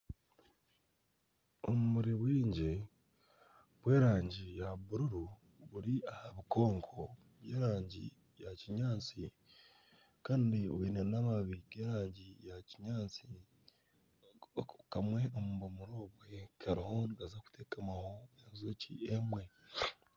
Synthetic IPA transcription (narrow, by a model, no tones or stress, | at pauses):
omumuɾiβwiːɲɟe | βweːɾaːɲɟijaβuɾuɾu | βuɾiahaβikʰo̞ːŋkʰo̞ | βjeːɾaːɲɟḭ | jaciɲaːt͡si | kaːndioiːnenamaβiɡeːɾaːɲɟijaciɲaːt͡si | kamwe̞omuβomuɾoːβwekaɾiho̞niɡazaku̥tʰeːkamaho̞enzocḭemwe̞